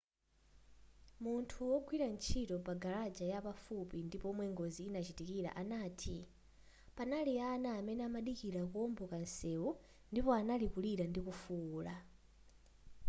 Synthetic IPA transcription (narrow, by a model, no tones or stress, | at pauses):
muntʰuwɔɡwiɾant͡ʃʰitɔpaɡaɾad͡ʒajapafupindipɔmwɛŋɡoziːnat͡ʃitikiɾa̰ʔanaːtʰi | panalianaːmɛnɛamaɗikiɾakuɔmbɔkansɛu | ndipɔanalikuliɾandikufuːla